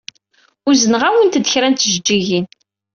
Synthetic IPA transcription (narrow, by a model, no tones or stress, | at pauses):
ʊɾzənəʁæwənt̪d̪əçɾænt̪ʒəd͡ʒːiʝin